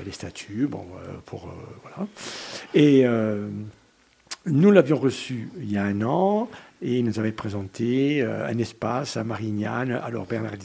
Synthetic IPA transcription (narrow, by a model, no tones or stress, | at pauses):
lest̪at̪ʰybɔ̰̃ø̰pʰuʁø̰vwala | eø | nulavjɔ̃ʁəsyiljaɛ̃nɑ̃ | eilnuzavɛpχezɑ̃t̪ʰeøɛ̰̃nɛspasamaʁiɲjana̰lɔ̰ʁbɛʁna̰ʁd̪i